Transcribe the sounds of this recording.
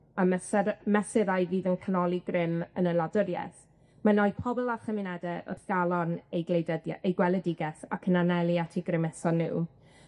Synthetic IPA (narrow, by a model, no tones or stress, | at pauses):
amɛsmɛsɪɾajviːðənkʰanɔlˠiɡrɪmənəladəɾjɛ̰θ | manɔjpʰɔbɔlˠarχɛmɪnɛdɛʔɔ̰θɡ̥alˠɔnejɡlejdədejɡwɛlˠədɪɡɛθa̰kʰənanɛlˠjatʰiɡrɪmɛsɔnːṵː